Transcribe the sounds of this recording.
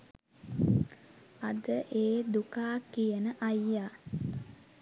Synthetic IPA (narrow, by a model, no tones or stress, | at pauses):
ɐd̪əʔeːd̪ukaːkijənəʔajːaː